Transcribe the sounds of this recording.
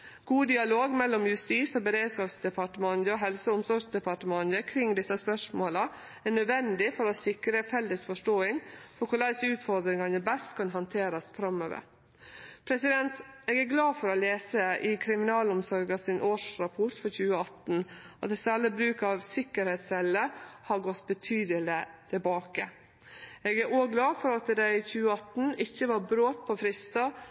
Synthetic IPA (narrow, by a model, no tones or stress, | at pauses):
ɡ̥uːd̪ɪɑloːɡmɛlːɔmjʉst̪iːsɔbəɾeːd̪skɑːpsd̪ɛpʰɑʈəmɑnd̪əɔɦɛlsəʊmsɔɾɡsd̪ɛpʰɑʈəmɑnəkʰɾɪŋːd̪ɪsːɑspœʂmoːlɑ | æɳœd̪ʋɛnd̪ɪfɔɾɔsɪkɾəfɛlːəsfɔʂʈoːɪŋfɔɾkʰʊɭæɪsʉːt̪fɔɾd̪ɾɪŋɑnəbɛst̪kʰɑnɦɑnt̪ʰeːɾɑsfɾɑmø̰ːʋə̰ɾ | pʰɾɛsɪd̪ɛnt̪eːɡæɡlɑːfɔɾɔleːsəɪkʰɾɪmɪnɑːlʊmsɔɾɡɑsɪnʔoːʂɾɑpʰɔʈ̪fɔɾçʉːəɑt̪n̩ʔɑt̪ɛsæləbɾʉːkɑʋsɪkːəɾhɛt̪sɛləhɑɾɡɔt̪ːbət̪ʰyːd̪əlɪt̪ʰɪbɑːkə | ɛːɡæɾoːɡlɑːfɔɾɑt̪d̪æɪçʉːəɑt̪n̩ɪçːəʋɑɾbɾoːt̪̚pʰɔfɾɪst̪ɑ